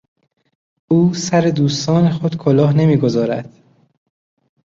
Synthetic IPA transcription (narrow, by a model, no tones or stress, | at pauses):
ʔuːsæɾe̞d̪uːst̪ɒːne̞xod̪̥kʰolɒːhne̞miːɡo̞zɒːɾæ̰d̪̥